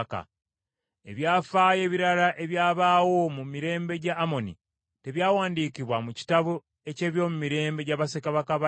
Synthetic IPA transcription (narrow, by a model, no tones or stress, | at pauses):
ka̰ | e̞βjaːfaːje̞ːβiɾaɾaʔe̞βjaːβaːwo̞mumiɾe̞ːmbe̞ɟaːmo̞nḭ | te̞βjaːwaːndiːkiβwamuci̥taβu | e̞ce̞ːβjo̞ːmumiɾe̞ːmbe̞ɟaβasekaβakaβa